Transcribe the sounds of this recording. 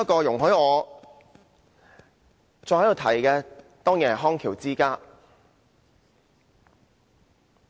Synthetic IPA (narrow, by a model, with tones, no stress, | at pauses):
ɐ˥kɔː˧jʊ˨˩ŋɦɵ˨˥jɔː˨˧ | t͡sɔː˧jhɐ˥j̪o˨˧wt̪ʰɐ˨˩jkɛː˧ | t̪ɔː˥ŋjɛː˨˩ɦɔː˥ŋkʰiː˨˩wt͡siː˥kaː˥